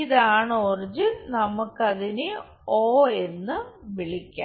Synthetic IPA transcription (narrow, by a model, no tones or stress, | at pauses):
iðaːɳoːrd͡ʑɨnɐmukːɐðinɨ | oːe̞nːɨʋiɭikʲːa̰ː